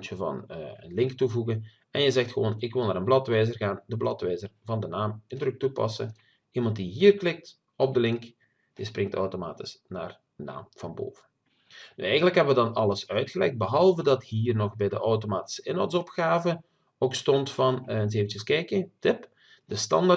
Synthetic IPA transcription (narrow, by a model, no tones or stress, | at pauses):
t͡ʃəvɑ̰nəə̰nlɪŋktuvuɣən | ɛnjəzɛxtxəʋo̰ːnɪkʋɪlˠnaːɾənblɑtʋɛjzərɣaːndəblɑtʋɛjzərvɑndənaːmɪndɾɵk̚tupɑ̰sə̰n | imɑnt̚diɦiːrklɪk̚t | ɔb̚dəlɪŋk | d̥isprɪŋtɔ̰wtoma̰ːtɪ̥sna̰ːr | əna̰ːmv̥ɑnbo̰ːvən | ny̰ɛjɣənləkɦɛbəʋədɑnɑlˠəsœɥtxəlɛ̰xd̚bəɦɑlˠvədɑthiːrnɔxbɛjdəʔɔwtomaːti̥səɪnɔwtsɔpxaːvə | oːkstɔntfɑnɛnseːvəntəskɛjkətɪp | d̥əstɑ̰nda